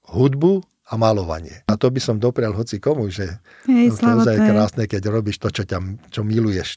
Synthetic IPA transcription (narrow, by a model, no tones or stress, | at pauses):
ɦud̪bu | amalɔʋa̰ɲɪɛ̰at̪ɔbisɔmd̪ɔpɾɪalɦɔt͡sikɔmuʒɛ | t̪ɛɔzajkɾaːsnɛkɛɟɾɔbiːʃt̪ɔt͡ʃɔcat͡ʃɔmilujɛʃ